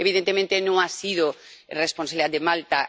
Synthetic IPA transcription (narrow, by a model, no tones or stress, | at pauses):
eβiðẽnt̪emẽnt̪enõŋasiðorespõnsaβiliðad̪emalt̪a